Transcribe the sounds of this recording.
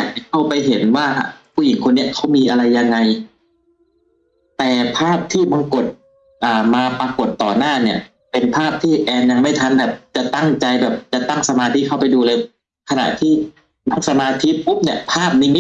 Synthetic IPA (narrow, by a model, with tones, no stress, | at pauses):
aː˨˩k̚t͡ɕa˧kʰa˥˩wpa˧jɦe˩˦nwaː˥˩ha̰˧˩pʰuː˧˩˨ji˩˦ŋkʰo˧nːi˥ɐkʰa˦˥˩wmiː˧ʔa˧ɾa˧jːa˧ŋːa˧j | t̪ɛː˨˩pʰaː˥˩p̚t̪ʰiː˥˩ba˧ŋko˨˩t̪̚ | ʔaː˨˩maː˧pa˧ko˨˩t̪ːɔː˨˩naː˥˩ni˥˩ɐ | pe˧npʰaː˥˩p̚t̪ʰiː˥˩ʔɛː˧nja˧ŋma˥˩jt̪ʰa˧˨nbɛː˨˩p̚t͡ɕa˨˩t̪a˥˩ŋt͡ɕa˧jbɛː˨˩p̚t͡ɕa˨˩t̪a˥˩ŋsa˧maː˧t̪ʰi˦˥˩kʰa˧˥˩wpa˧jduː˧lɤː˧j | kʰa˧na̰˨˩ʔt̪ʰiː˥˩ | na˥˩ŋsa˧maː˧t̪ʰi˦˥pʰu˦˥p̚ni˧˩ɐpʰaː˥˩p̚niː˦˥˩m˦˥